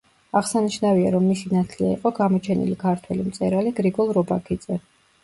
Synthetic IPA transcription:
aʁsaniʃnaviaɾɔmːisinat̪ʰliaḭqʼɔɡamɔt͡ʃʰɛnḭlikʰaɾt̪ʰwɛlimt̪sʼɛɾaliɡɾiɡɔlˠɾɔbakʰid̪zɛ

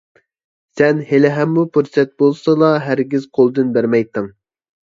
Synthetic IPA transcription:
sɛnhelɪɦɛmːupʰuɾsɛt̪̚bolˠsɑlˠɑɦæɾɡʲiz̥qʰolˠd̪ɨnbæɾmɛjt̪ɨŋ

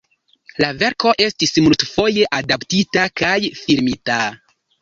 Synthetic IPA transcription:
lave̞ɾko̞ʔe̞stismultfo̞je̞ʔadaptitakajfiɾmita

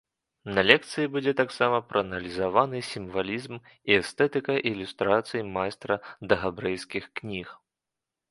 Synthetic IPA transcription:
nɐlʲɛk̚t̪sɨjibud͡zʲɛt̪aksamɐpɾɐːnɐlʲizavanɨsʲimvalʲizm | iɛst̪ɛt̪ɨkɐʔilʲust̪ɾat̪sɨjimajst̪ɾɐd̪ɐɣabɾɛjskʲixknʲix

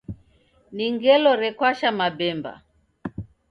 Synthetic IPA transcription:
niŋɡɛlɔɾɛkwaʃamabɛmba̰

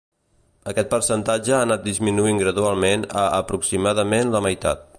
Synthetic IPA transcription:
əkɛt̪̚pəɾsənt̪ad͡ʒəaːnat̪̚d̪izminuiŋɡɾəðualˠmenə̰ʔəpɾuksimaðəmenləməjt̪a̰t̪̚

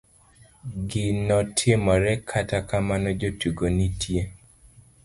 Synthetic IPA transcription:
ɡɪnɔtʰjemɔɾɛkʰatakamanɔd͡ʒotuɡonitʰje

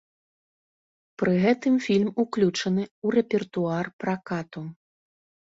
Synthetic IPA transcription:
pɾɨɣɛt̪ɨmfʲilʲmuklʲut͡ʂɐnɨurɛpʲɛrt̪uarpɾakat̪u

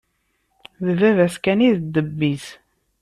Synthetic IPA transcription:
ðvævæskæniðəd̪ːəbːiz

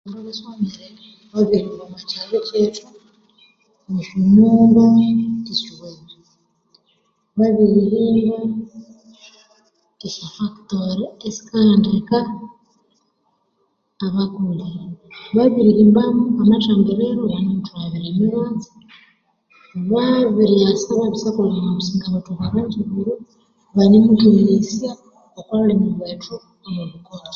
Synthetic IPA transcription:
aɾaβaswameɾeɾe | βaβiɾiːmbamat͡ʃaβecet͡ʃu | oʃumuːŋɡoisiweβe | βaβiɾiɾiːmba | eʃafaktoɾiesi̥kandika | βakuliβaβiɾiɾiːmbamuamat͡ʃaːmbeβeɾoβanomutuaβiɾeːmiɾaːzi̥ | βaβiɾiasaβaβisakolamamusiːŋɡaβatuβaβaɲd͡ʒiβuɾu | βaɲemutiɾesia | okwaβulemuβwaːtʰu | aβoβukoti̥

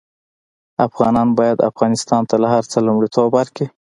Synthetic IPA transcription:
afɣɑnɑnbɑjad̪a̰fɣɑnɪst̪ɑnt̪alahaɾt͡səlumɽit̪ʰobaɾki

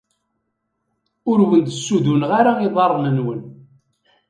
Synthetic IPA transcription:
ʊɾwənd̪sːuðunʁaɾaiðˤɑrˤːnənwən

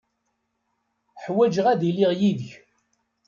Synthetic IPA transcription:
ħwæd͡ʒʁæðiliʁjiðç

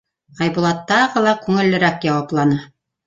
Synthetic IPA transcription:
ɑjbŏlˠɑt̪ːɑʁɤlˠɑkʉŋɘ̆lːɘ̆ɾækjɑwɑplˠɑnɤ

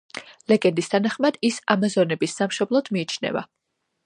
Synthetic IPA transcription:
lɛɡɛnd̪ist̪ʰanaχmad̪̥isamazɔnɛbisːamʃɔblˠɔd̪̥miːt͡ʃʰnɛ̰va̰

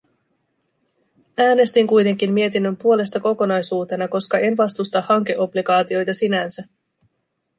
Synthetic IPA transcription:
æːne̞st̪iŋkujt̪e̞ŋk̟imːie̞t̪inːø̞mpuo̞le̞st̪ɑko̞ko̞nɑjsuːt̪e̞nɑko̞skɑe̞nʋɑst̪ust̪ɑhɑŋk̟e̞ʔo̞blikɑːt̪io̞jt̪ɑsinænsæ

